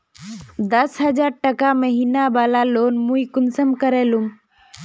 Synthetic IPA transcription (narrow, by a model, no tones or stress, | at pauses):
d̪əsɦəd͡ʒaːɾʈəkaməɦiːnabaːlaloːnmuikʊnsəmkəɾeːlum